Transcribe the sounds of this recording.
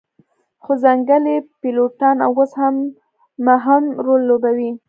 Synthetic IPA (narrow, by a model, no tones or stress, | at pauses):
xozaŋɡəlepiloʈɑna̰woshamː | aɦamɾolːobawi